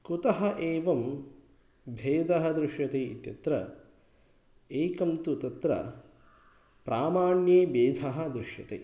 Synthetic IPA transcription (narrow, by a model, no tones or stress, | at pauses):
kut̪ɐɦɐʔeːʋɐm | bʱeːd̪ʱɐɦɐ̆d̪ɾɪʃjɐt̪eːit̪jɐt̪ɾɐ̰ | eːkɐmt̪ut̪ɐt̪ɾɐ̰ | pɾaːmaːɳjeːbeːd̪ʱɐɦɐ̆d̪ɾuʂjɐt̪ḛː